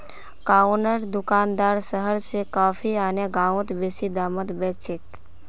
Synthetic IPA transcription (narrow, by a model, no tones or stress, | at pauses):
kaːnəɾd̪ʊkaːnd̪aːɾsəɦəɾsekaːfʰiaːneɡaːõt̪beːsid̪aːmət̪bɛːst͡ʃɪt̪